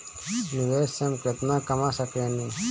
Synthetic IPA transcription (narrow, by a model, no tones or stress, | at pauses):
nɪʋeːsemket̪naːkəmaːsəkeːniː